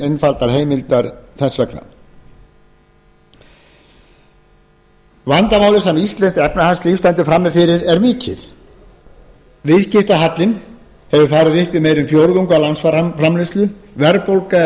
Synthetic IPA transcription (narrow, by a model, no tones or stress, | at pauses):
enfalt̪aɾ̥ɦeːjmɪlt̪aɾθɛsvɛkna̰ | vant̪amaːwlɪsɛmist̪lɛnst̪ɛpnahast̪lifst̪ant̪ʏfɾamːɪfɪɾɪɾɛɾmɪːcʰɪ̰ɾ̥ | vɪðscɪft̪aɦat̪lɪn | hɛvʏfaːɾʏðɪhpimejɾʏmfjowɾðuŋkʏawlansfafɾamlɪst̪lʏvɛɾpowlka